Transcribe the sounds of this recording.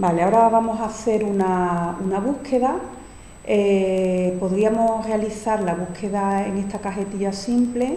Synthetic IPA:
baleao̞ɾaβamo̞saθe̞ɾunaunaβ̞uhkʰe̞ða | epo̞ðɾiamore̞aliθaɾlaβ̞uhkʰe̞ðaeŋe̞st̪akaɦe̞t̪iʎasimple̞

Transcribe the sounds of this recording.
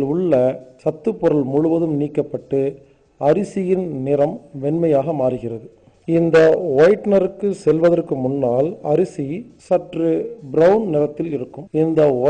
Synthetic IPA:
lʊɭːɐsɐt̪ːɯpːʊɾɐlmʊɻʊʋɐðɯmniːkːɐpːɐʈːɯ | ɐɾɪsɪjɪnnɪɾɐmʋɛnmɐjaːɣɐmaːrɯɣɪrɐðɯ | ɪnd̪ɐɔːjʈnɐɾɯkːɯsɛlʋɐðɐrkɯmʊnːaːlɐɾɪsisɐʈrɯbɾɐʊnnɪɾɐt̪ːɪlɪɾɯkːɯmɪnd̪ɐɔ

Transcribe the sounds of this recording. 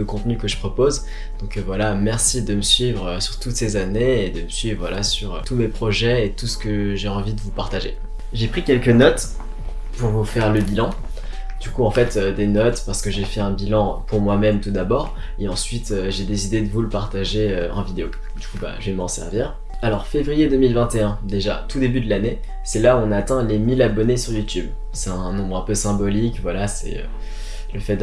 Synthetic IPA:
əkɔ̃t̪nykəʒəpχɔpoz | d̪̥ɔ̃kvwalamɛʁsid̪əməsɥivʁøsyʁt̪ut̪sezaneed̪əməsɥivʁvwalasyʁøt̪umepχɔʒɛet̪usə̥kəʒeɑ̃vid̪əvupaʁt̪aʒḛ | ʒepχikʲɛlkənɔt̪ | puʁvufɛʁləbilɑ̃ | d̪̥ykuɑ̃fɛt̪ød̪enɔt̪paʁsə̥kəʒefɛɛ̃bilɑ̃puʁmwamɛmt̪ud̪abɔːʁ | eɑ̃sɥit̪øʒed̪esid̪ed̪əvuləpaʁt̪aʒeøɑ̰̃vid̪eo | d̪ykuba̰ʒəvemɑ̃sɛ̰ʁviːʁ | alɔʁfevʁijed̪ømilvɛ̃t̪eɛ̃d̪eʒat̪ud̪ebyd̪əlane | sɛlaɔ̃naːt̪ɛ̃lemilabɔnesyʁjut̪yb | sɛt̪ɛ̃nɔ̃bʁɛ̃pøsɛ̃bɔlikvwalasɛ̰ø̰ | ləfɛt̪̚

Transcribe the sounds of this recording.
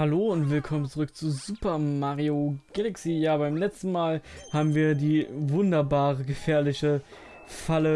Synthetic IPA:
haloːʊntv̥ɪlkʰɔmənt͡suʁʏk̚t͡suzuːpʰɐmaːʁioɡ̥ɛlɛksiːjaːbaɪmlɛt͡stn̩maːlhaːbm̩viːɐdiːvʊndɐbaːʁəɡəfɛːɐlɪçə | falə

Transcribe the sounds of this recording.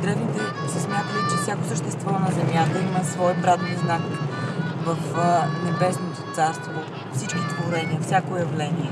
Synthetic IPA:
d̪ɾɛvnit̪ɛ | sɛsmʲjat̪əlit͡ʃɛfsjakosəʃt̪ɛst̪vɔnɐzɛmʲjat̪əiməsvɔjpɾat̪niznak | vəfnɛbɛsnot̪ot̪saɾst̪vo | fsit͡ʃkit̪voɾɛniəfsʲakojɐvlɛniɛ

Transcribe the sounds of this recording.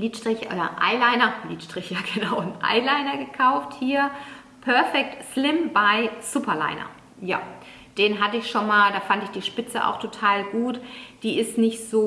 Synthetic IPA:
liːtʃtʁ̥ɪçʔo̰ːdɐ̰ʔa̰ɪlaɪnɐliːtʃtʁ̥ɪçjaːɡənaʊʊntʔa̰ɪlaɪnɐɡəkʰaʊfthiːɐ | pʰœɐfɛk̚tslɪmbaɪz̥upɐla̰ɪnɐ̰ | ja̰ː | d̥eːnɦatəɪçʃonmaːldaːfantɪçd̥iːʃpɪt͡səʔa̰ʊxtʰotʰaːlɡuːtd̥iːɪstnɪçtz̥oː

